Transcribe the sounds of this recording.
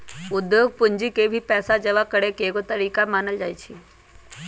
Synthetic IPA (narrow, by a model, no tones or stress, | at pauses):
ʊd̪joːɡ̚pʊɲd͡ʒikebʱipɛːsad͡ʒɐʋakəɽekeːɡot̪ɐɾiːkamaːnəld͡ʒaːjt͡ʃʰi